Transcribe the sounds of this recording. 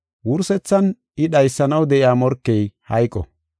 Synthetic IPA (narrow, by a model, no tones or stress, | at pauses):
wʊɾsɛt͡sːɐn | ɪɗɐjsːɐnɐwd̪ɛʔɪaːmɔɾkːɛjhɐjkʼːɔ̰